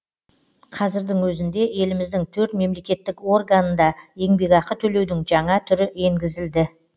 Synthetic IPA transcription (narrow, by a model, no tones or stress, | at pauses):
qʰɑzɪɾd̪ɪŋwɵzɪnd̪e̞e̞lɪmɪzd̪ɪŋt̪ʰɵɾt̪me̞mle̞kʲe̞t̪ːɪkwo̞rɡanənd̪ɑje̞ŋbe̞kɑqət̪ʰɵle̞wd̪ɪŋʒɑɴɑt̪ʰʏɾɪʔe̞ŋɡʲɪzɪld̪ɪ